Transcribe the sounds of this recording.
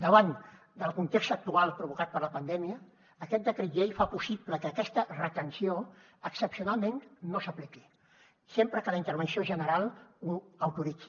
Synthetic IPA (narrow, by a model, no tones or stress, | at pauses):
d̪əβan | d̪əlˠkunt̪ekst̪ək̚t̪ualˠpɾuβukat̪̚pəɾləpənd̪ɛmiəː | kɛt̪̚d̪əkɾiʒejfapusipləkəːkɛst̪ərət̪ənsio | əksəpsiunalˠmennːosəpliki | sempɾəkələint̪əɾβənsioeʒənəɾalˠuəwt̪uɾiki̥